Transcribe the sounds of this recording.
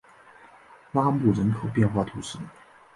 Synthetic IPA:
la˥mu˥˩ɻə˧˥nkʰo˨˩ʊpjɛ˥˧nxwa˥˩t̪ʰu˧˥ʂɻ̩˥˩

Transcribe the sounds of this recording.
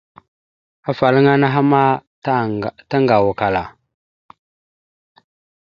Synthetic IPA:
a˨fa˨lə˦ŋa˦na˦ɦa˦ma˦˨ | ta˦ŋɡa˨wu˨ka˨la˨

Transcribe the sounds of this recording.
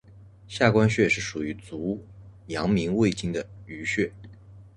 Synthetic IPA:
ɕja˥˩kwa˥nɕɥɛ˥˧ʂɻ̩˥˩ʂu˨˩y˧˥t͡su˧˥jɑ˧˥ŋmi˧˥ŋwe˥˩ɪt͡ɕi˥ŋd̪ə˨y˧˥ɕɥɛ˥˩

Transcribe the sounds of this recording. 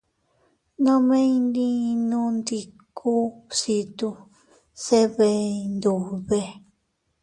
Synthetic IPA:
nã˦mẽ˦ĩ˧nd̪ĩ˦˧nũ˧nd̪i˧kʰu˦si˧t̪u˧ | se˦βe˧nd̪u˨βe˧

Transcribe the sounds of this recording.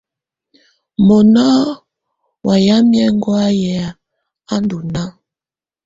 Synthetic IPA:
mɔ˨nɔ˦ | wʔa˨ja˦mjɛ˦ŋ˦ɡwa˦jɛ˨a˨ | a˦ndu˨na˦

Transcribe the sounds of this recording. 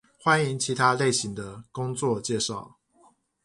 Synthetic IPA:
xwa˦ni˧˥ŋt͡ɕʰi˧˥t̪ʰa˦le˥˩ɪɕi˨˥ŋd̪ə˧kʊ˥ŋt͡swɔ˥˨t͡ɕjɛ˥˧ʂɑ˥˩ʊ

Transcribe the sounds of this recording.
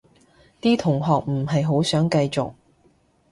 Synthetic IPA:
t̪iː˥t̪ʰʊ˨˩ŋɦɔː˨k̚m̩˨˩ɦɐ˨jɦo˨˥wsœː˨˥ŋkɐ˧jt͡sʊ̰˨k̚

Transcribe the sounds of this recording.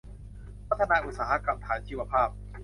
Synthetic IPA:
pʰa˦˥t̪ʰːa˧naː˧ʔu˨˩t̪̚saː˩˦ɦa˦˥ka˨˩p̚t̪ʰaː˩˦nt͡ɕʰiː˧˩wa˧pʰaː˥˩p̚

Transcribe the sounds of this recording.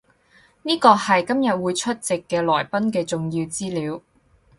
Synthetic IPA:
niː˥kɔː˧hɐ˨jkɐ˥mjɐ˨t̚wuː˨˧jt͡ʃʰɵ˥t̚t͡sɪ˨kːɛː˧lɔː˨˩jpɐ˥nkɛː˧t͡sʊ˨ŋjiː˧wt͡siː˥liː˨˧˥w

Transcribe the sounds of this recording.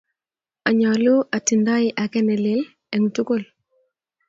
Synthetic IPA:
a˨ɲɔ˨lu˦ʔa˨ti˨nda˦ɪʔa˨kɛ˦nɛ˨lɪ˦l | ɛ˨ŋtu˦ko˦˨l

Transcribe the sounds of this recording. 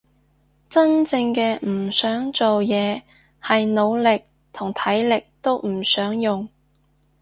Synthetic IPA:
t͡sɐ˥nt͡sɪ˧ŋkɛː˧m̩˨˩sœː˨˥ŋt͡so˨wjɛː˨˧ | hɐ˨jno˨˧wlɪ˨k̚ | t̪ʰʊ˨˩ŋt̪ʰɐ˨˥jlɪ˨k̚t̪o˥wm̩˨˩sœː˨˥ŋjʊ˨ŋ

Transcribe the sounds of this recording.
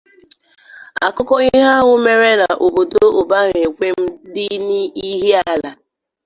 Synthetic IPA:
a̰˨kʊ˦kɔ˦i˦ɦa˦ɦʊ˦me˦ɾe˦na˨ʔo˨bo˨do˦o˨ba˦ɣe˨kʷe˦m̩˦dɪ˦ni˦i˦ɦi˦a˦la˨

